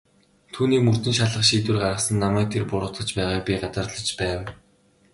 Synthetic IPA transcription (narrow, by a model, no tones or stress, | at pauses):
t̪ʰuːniːkmɵr̥t̪ɵ̆nʃaɮə̆χʃiːt̪wɘ̆rɢaɾə̆χsə̆nːamæːk̚t̪ʰerpʊɾʊ̆t̪ə̆t͡ɕpæːʁaːk̚pʲiɢat͡sə̆rɮə̆t͡ɕpæːw